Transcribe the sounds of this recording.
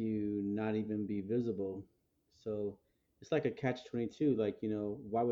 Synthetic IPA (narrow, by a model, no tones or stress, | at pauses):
ɨnəɾivɨ̃nbivɪzəbl̩ˠ | soʊ | ɨtslaɪkɨkʰæt͡ʃtʰw̥ɛ̃ɾ̃itʰʉlaɪkjɨnoʊwaɪw